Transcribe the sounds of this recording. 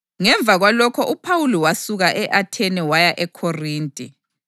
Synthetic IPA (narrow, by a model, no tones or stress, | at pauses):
ŋɛɱb̪vʱaɣwalɔkʰɔʔupʰawulɔwasuɣaʔɛʔatʰɛnɛwajaʔɛkʰɔriːntʼi